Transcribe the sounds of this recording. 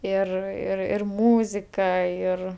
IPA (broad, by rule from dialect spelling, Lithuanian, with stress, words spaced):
ˈɪr ɪr ɪr ˈmuːzʲɪkɐ ˈɪr